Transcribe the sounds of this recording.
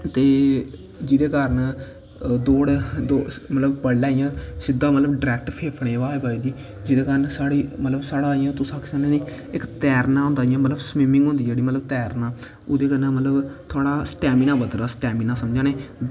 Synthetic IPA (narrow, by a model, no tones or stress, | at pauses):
t̪eː | d͡ʒɪd̪eːkəɾən | d̪oːɽd̪oːmət̪ləbpəɽːaːijãːsɪd̪ːaːmət̪ləbɖɾɛːk̚ʈpʰeːpʰɽẽːʋaːebaːiːd̪iː | d͡ʒɪd̪eːkəɾənsaːɽiːmət̪ləbsaːɽaːijãːt̪ʊsaːksãnẽːniː | ɪkt̪ɛːɾnãːɦʊ̃nd̪aːijãːmət̪ləbsmɪmɪ̃ŋɡɦʊ̃nd̪iːd͡ʒeːɽiːmət̪ləbt̪ɛːɾnãː | ʊd̪eːkənãːmət̪ləbt̪ʰoaːɽaːsʈɛːmiːnãːbəd̪ɾaːsʈɛːmiːnãːsəmd͡ʒãːneː